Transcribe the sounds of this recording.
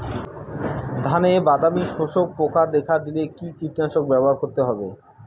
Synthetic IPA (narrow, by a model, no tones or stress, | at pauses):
d̪ʱanebad̪amiʃoʃok̚pokʰad̪ekʰad̪ilekikiʈiaʃok̚bɛboɦaɾkoɾt̪eɦɔbe